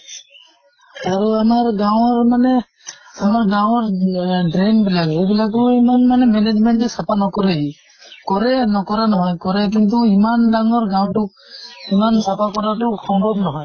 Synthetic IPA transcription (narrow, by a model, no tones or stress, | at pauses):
aɾuamaɹɡaw̃ɔɹmanɛ | amaɹɡaw̃ɔɹdɾenbilaɡebilaɡɔimanmanɛmɛned͡ʒmɛntɛsapanɔkɔɾɛi | kɔɾɛnɔkɔɾanɔɦɔjkɔɾɛk̬int̪uimandaŋɔɹɡaw̃tʊk̚ | imansapakɔɾatukɔmbɔb̚nɔɦɔj